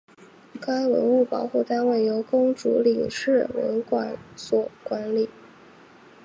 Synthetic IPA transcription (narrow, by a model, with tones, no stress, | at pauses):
kʰa˥ɪwə̰˧˥nu˥˩pɑ˨˩ʊxu˥˩t̪a˥nwe˥˩ɪjo˧˥ʊkʊ˥ŋʈ͡ʂṵ˧˥li˨˩ŋʂɻ̩˥˩wə̰˧˥nkwa̰˨˩˦nswɔ˨˩kwa˧˥nli˨˩˦